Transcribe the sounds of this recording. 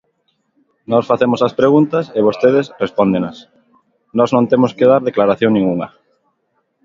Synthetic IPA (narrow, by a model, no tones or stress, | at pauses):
nɔsfaθemʊsɐspɾeɣunt̪ɐseβ̞ost̪eðɪsrespond̪enɐs | nɔznõnt̪emʊskeðaɾðeklaɾaθjoŋnĩŋuŋɐ